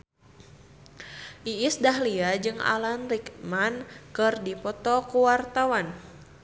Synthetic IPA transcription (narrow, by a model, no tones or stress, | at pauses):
ʔiisdaɦliad͡ʒɨŋa̰lanɾikmankɨrdipɔt̪ɔkuwart̪awan